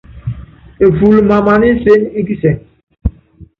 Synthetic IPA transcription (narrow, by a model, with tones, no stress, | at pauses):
e˨fu˨lma˨ma˨ni˦se˦i˦ki˦sɛ˨ŋ